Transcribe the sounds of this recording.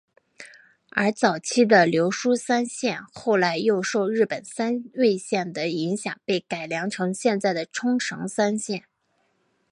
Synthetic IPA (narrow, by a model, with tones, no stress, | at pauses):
ə̰˞˧˥t͡sɑ˨˩ʊt͡ɕʰi˥d̪ə˨ljo˧˥ʊʂu˥sa˥nɕjɛ˥˧nxo˥˩ʊla˧˥ɪjo˥˧ʊʂo˥˧ʊɻɻ̩˥˩pə˨˩nsa˥nwe˥˧ɪɕjɛ˥˩nd̪ə˩i˧˥ŋɕjɑ˨˩ŋpe˥˩ɪka˨˩ɪljɑ˧˥ŋʈ͡ʂʰɤ˧˥ŋɕjɛ˥˧nt͡sa˥˩ɪd̪ə˩ʈ͡ʂʰʊ˥ŋʈ͡ʂʰɤ̰˧˥ŋsa˥nɕjɛ˥˩n